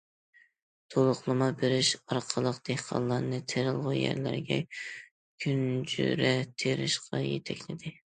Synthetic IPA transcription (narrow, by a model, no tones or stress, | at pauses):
t̪ʰolˠʊχlˠɨmɑbeɾɪʃɑɾqʰəlˠəqd̪̥ehqʰɑ̰nlˠːɑɾnɨt̪ʰeɾɨlˠʁujæ̰ɾlæ̰ɾɡʲɛ̰ | kʲʰynd͡ʒy̰ɾɛt̪ʰeɾɪ̰ʃqʰɑjet̪ʰɛkʲlɪd̪ɪ